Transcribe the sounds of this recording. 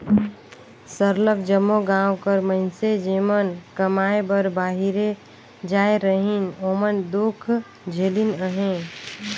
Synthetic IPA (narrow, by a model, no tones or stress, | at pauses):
səɾlək̚d͡ʒəmːoɡãːwkəɾmə̃ɦɪnsed͡ʒeːmənkəmaːebəɾbaːɦiɾe | d͡ʒaːeɾəɦinoːmənd̪okʰ | d͡ʒʱeːlinəɦẽ